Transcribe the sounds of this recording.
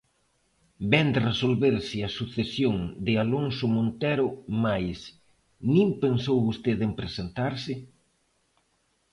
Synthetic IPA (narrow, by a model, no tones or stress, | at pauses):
bɛnd̪ɪresolβeɾsɪɐsuθesjoŋd̪ɪaloŋsʊmõnt̪ɛɾʊmajs | nĩmpensowβost̪eðempɾesent̪aɾsɪ